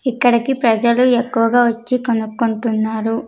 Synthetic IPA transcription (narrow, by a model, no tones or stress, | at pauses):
ikːɐɽikipɾɐd͡ʒɐluekːuʋɐɡaːʋɐt͡ʃːikonukːuɳʈunːaːɾu